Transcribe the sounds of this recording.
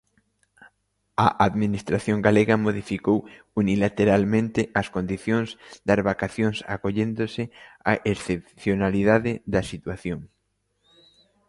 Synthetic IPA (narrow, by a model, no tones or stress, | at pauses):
ɐʔaðminist̪ɾaθjoŋɡaleɣɐmoðifikow | unilat̪eɾalmẽnt̪ɪʔɐskond̪iθjõŋzd̪ɐzβakaθjoŋsa̰koʎend̪osɪaʔesθep̚θjonaliðaðɪðɐsit̪waθjoŋ